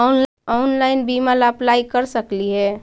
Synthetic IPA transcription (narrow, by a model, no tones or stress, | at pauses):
ɔn | ɔʊnlaɪnbimalaplaikəɾsəkliɦɛː